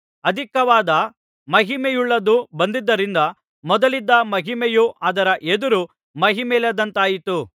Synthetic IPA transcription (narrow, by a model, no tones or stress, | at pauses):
ɐd̪ʱikɐʋaːd̪ɐ | mɐɦimejuɭːɐd̪ubɐnd̪id̪ːɐɾind̪ɐ | mɔd̪ɐlid̪ːɐmɐɦimejuʔaːd̪ɐɾɐʔed̪uɾu | mɐɦimɛlɐd̪ɐnt̪aːjit̪u